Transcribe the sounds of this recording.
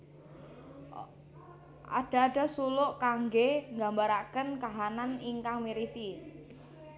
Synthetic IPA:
ʔa̰ɖ̥a̤ːɖ̥a̤sulʊʔkaŋɡeŋɡa̤mbaɾakənkaɦananiŋkaŋmiɾisi

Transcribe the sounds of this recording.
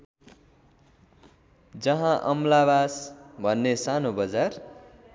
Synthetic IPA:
d͡zʌɦãʔʌmlabasbʱʌnːesanobʌd͡zar

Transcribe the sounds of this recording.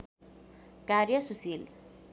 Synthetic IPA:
karjʌsusil

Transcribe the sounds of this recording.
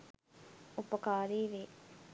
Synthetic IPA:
upɐkaːɾiːʋeː

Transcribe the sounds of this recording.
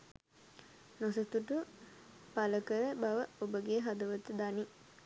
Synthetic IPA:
nosət̪uʈu | paləkəɾəbaʋəobəɡeɦad̪əʋət̪əd̪ani

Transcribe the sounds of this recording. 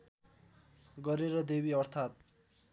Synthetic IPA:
ɡʌɾeɾʌd̪ebiʌrt̪ʰat̪̚

